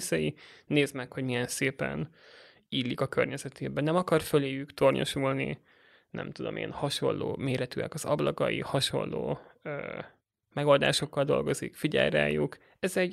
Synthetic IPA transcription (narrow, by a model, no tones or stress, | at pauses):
sɛjineːzmɛkhoɟmijɛnseːpɛ̰n | ilːikɒkø̰rɲɛzɛt̪ʰeːbɛnɛmɒkɒrføleːjykt̪o̞rɲo̰ʃulnḭ | nɛ̰mt̪ud̪o̞̰mʔḛːnhɒʃo̞̰nlːoːmeːɾɛt̪yɛ̰kɒzɒblɒkɒjḭhɒʃo̞̰nːoːøː | mɛɡo̞ld̪a̰ːʃo̞kːɒld̪o̞̰lɡo̞zikfiɟɛ̰lɾɛa̰ːjuk | ɛzɛɟ